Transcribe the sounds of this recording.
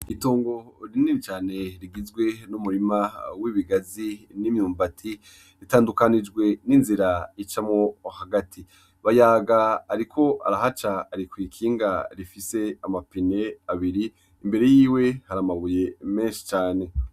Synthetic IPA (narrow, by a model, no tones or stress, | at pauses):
itoːŋɡo̞ɾiniɾit͡ʃaːne̞ɾiɡizɡwe̞numuɾimawiβiɡazinimɲuːmbatʰi | ɾitaːndukanid͡ʒɡwe̞ninziɾait͡ʃamŋohaɡatʰi | βajaːɡaːɾikʰo̞ʔa̰ɾaɦat͡ʃaːɾikwiːkʰiːŋɡaɾifise̞amapine̞aβiɾiː | mbe̞ɾe̞jiːwe̞haɾamaβujeme̞nʃi̥t͡ʃaːne̞